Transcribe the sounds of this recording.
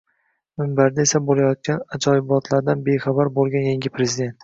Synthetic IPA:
mɪmbaɾd̪ae̞sabolajɒt̪̚kʲʰanad͡ʒɒjɪbɒt̪ʰlaɾd̪anbe̞jχabaɾbolˠɡʲanjaŋɡʲɪpʰɾe̞zɪd̪e̞nt̪

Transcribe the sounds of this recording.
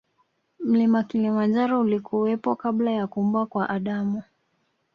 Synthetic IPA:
m̩limakilimand͡ʒaɾɔulikʰuwɛpɔkaɓlajakum̩bwakwaʔaɗamu

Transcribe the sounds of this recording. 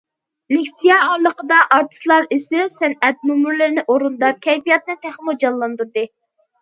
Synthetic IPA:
lɪkʲsijɑɑɾlˠəqəd̪ɑʔɑɾt̪ʰɨ̥slˠɑɾisɪsɛnɛt̪̚mumuɾlɪɾɪnɪʔoɾund̪ɑp̚kʲʰɛjpijɑt̪̚nɨt̪ʰæχmud͡ʒɑnlːˠɑnd̪uɾd̪ɨ

